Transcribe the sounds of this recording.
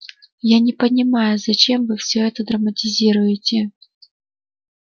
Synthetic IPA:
janʲɪpənʲɪmajʊzɐt͡ɕe̞mvɨfsʲɵɛt̪əd̪ɾəmətʲɪzʲiɾʊjɪtʲɪ

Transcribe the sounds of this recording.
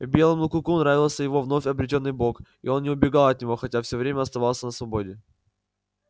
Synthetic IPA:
vbʲe̞lˠəmlˠʊkʊkunɾavʲɪlˠsʲəjɪvo̞vno̞fʲɐbɾʲɪt̬ʲo̞nːɨjbo̞k | ɪo̞nːnʲɪʊbʲɪɡalˠɐt̪̚nʲɪvo̞xɐtʲafsʲovɾʲemʲəɐst̪ɐvalˠsʲənəsvɐbo̞dʲɪ

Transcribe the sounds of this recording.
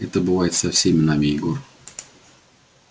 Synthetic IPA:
ɛt̪əbɨvajɪt̪sɐfsʲemʲɪnamʲɪɪɡor

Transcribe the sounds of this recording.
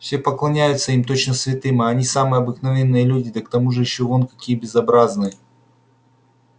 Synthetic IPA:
fsʲepəklˠɐnʲæjʊt̪səimt̪ot͡ɕnəsvʲɪt̪ɨmɐɐnʲisamɨjəɐbɨknɐvʲe̞nːɨjəlʲudʲɪd̪ək̚t̪ɐmuʐɨjɪɕːovonkɐkʲijəbʲɪzɐbɾaznɨjə

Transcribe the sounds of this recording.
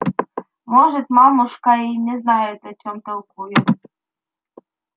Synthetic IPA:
mɔʐɛt̪ʲmamuʂkainʲɛznajɛt̪ɔt͡ɕɔmt̪ɐwkujɛ

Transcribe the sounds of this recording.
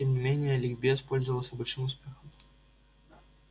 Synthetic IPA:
emnʲɪmʲenʲɪjəlʲɪɡbʲɛspolʲzəvəlˠəsʲɐbɨt͡ɕnɨmʊspʲexəm

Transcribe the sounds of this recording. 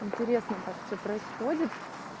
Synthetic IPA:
ɪnʲtʲɪɾʲesnət̪aksʲopɾəɪsxo̞dʲɪt̪

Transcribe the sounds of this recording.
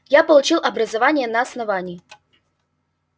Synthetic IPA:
japəlˠʊt͡ɕilˠʔɐbɾəzɐvanʲɪjənɐːsnɐvanʲɪjː

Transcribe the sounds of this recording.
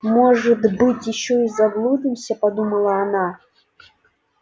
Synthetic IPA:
mɔʐɨt̪bɨtʲjɪɕːɔizɐɡlˠud̪ɨmsʲɐpɐd̪umɐlˠɐːna

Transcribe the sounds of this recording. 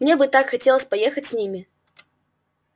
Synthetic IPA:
mnʲebɨt̪akxɐtʲelˠəsʲpɐjexətʲsʲnʲimʲɪ

